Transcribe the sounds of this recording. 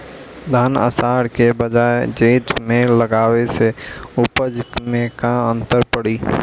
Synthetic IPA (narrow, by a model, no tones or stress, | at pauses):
d̪ʱaːnə̰saːɽkebəd͡ʒaːed͡ʒeːt̪mẽləɡaːweseʊpəd͡ʒkmẽkaə̃nt̪əɾpəɽiː